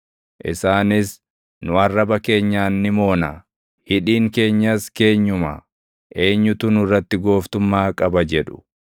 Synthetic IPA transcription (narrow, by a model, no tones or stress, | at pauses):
ʔɪ̰saːnɪs | nʊɐrːɐbɐke̞ːɲːaːnːɪmo̞ːnɐ | hɪᶑiːŋke̞ːɲːɐske̞ːɲːʊmɐ̰ | ʔe̞ːɲːʊt̪ʊnʊrːɐt̪ːɪɡo̞ːft̪ʊmːaːkʼɐbɐd͡ʒɛᶑʊ̥